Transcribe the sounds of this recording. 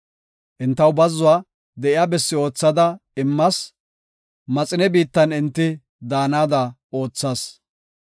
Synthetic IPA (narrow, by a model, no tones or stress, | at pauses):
ʔɪnt̪ːɐwbɐzːʊaː | d̪ɛʔɪjaːbɛsːɪo̞ːt͡sːɐd̪ɐɪmːɐs | mɐt͡sʼɪnɛbiːt̪ːɐnɪnt̪ːɪ | d̪aːnaːd̪ɐo̞ːt͡sːɐːs